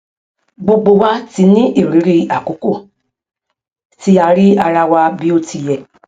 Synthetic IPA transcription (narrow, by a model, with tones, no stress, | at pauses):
ɡ͡bo˧ɡ͡bo˧wa˦ti˧nĩ˦ʔi˦˨ɾi˨˦ɾi˧a˨ko˨˦ko˦˨ | ti˧˦a˧ɾi˦a˧ɾa˧wa˧bi˦o˧ti˧jɛ˨